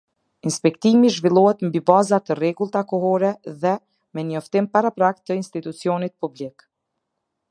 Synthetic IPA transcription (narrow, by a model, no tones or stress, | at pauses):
inspɛkt̪imiʒvilˠɔhɛt̪mbibazat̪ərɛɡulˠt̪akɔɦɔɾɛðɛ | mɛɲɔft̪impaɾapɾakt̪əinst̪it̪ut͡siɔnit̪̚publik